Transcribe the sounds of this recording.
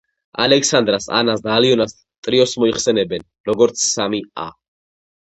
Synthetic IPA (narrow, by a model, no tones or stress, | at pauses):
a̰lɛkʰsand̪ɾasa̰nasd̪aːliɔnas | t̪ʼɾiɔsmɔiχsɛnɛbɛn | ɾɔɡɔɾt̪sʰsamia̰